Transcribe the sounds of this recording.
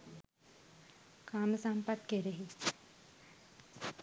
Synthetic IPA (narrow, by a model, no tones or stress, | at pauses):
kaːməsampɐt̪keɾeɦi